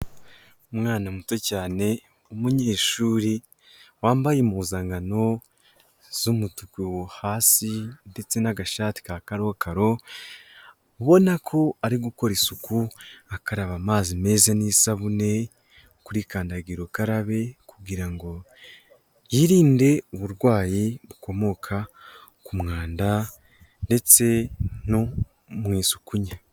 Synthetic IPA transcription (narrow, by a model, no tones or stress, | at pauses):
umŋaːnamuto̞caːne̞ | umuɲe̞ːʃuːɾi | waːmbajemuːzaŋɡano̞ | zumutukiwohaːsinde̞t͡se̞naɡaʃati̥kakaɾo̞kʰaɾo̞ | uβo̞nakʰo̞aɾiɡuko̞ɾisukuakaɾaβamaːzime̞ːzaniːsaβune̞ | kuɾikaːndaɡiɾokaɾaβe̞kuɡiɾaŋɡo̞ | jiɾiːnde̞uβuɾɡwaːjiβuko̞mo̞kʰa | kumŋaːnda | nde̞t͡se̞no | mwiːsu̥kuɲa